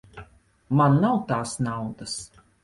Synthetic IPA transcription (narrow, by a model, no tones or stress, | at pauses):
manːawt̪aːsnawd̪as